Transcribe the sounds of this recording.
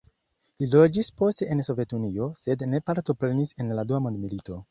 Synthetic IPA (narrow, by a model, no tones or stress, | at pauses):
lilo̞d͡ʒispo̞ste̞enso̞ve̞tunio̞se̞dne̞paɾto̞pɾe̞nise̞nladuamondmilito̞